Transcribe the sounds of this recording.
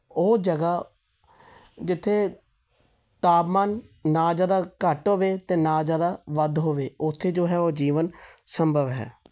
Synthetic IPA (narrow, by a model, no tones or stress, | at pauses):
oːd͡ʒəɡaː | d͡ʒɪt̪ʰːeː | t̪aːpmaːnːaːd͡ʒaːd̪aːkəʈɦoːʋeːt̪eːnaːd͡ʒaːd̪aːʋəd̪ɦoːʋeːʊt̪ʰːeːd͡ʒoːɦɛːoːd͡ʒiːʋənsəmbʱəʋɦɛ̰ː